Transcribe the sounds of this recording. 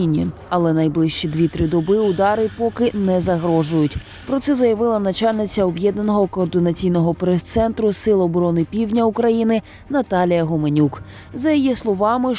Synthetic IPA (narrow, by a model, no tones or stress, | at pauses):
nʲḭɐlˠɛnɐjblˠɪʃt͡ʃid̪ʲʋʲit̪ɾɪd̪ɔbɪʊd̪ɑɾɪpɔkɪnɛzɐɦɾɔʒʊjʊtʲ | pɾɔt̪sɛzɐjɐʋɪlˠɐnɐt͡ʃɑlʲnɪt͡sʲɐɔbjɛd̪̚nɐnɔɦɔkɔːrd̪ɪnɐt͡sʲijnɔɦɔpɾɛst̪sɛnt̪ɾʊsɪlˠɔbɔɾɔnɪpʲiwdnʲɐukɾɐjinɪ | nɐt̪ɑlʲijɐɦɔmenʲuk | zɐjijislˠɔʋɑmɪ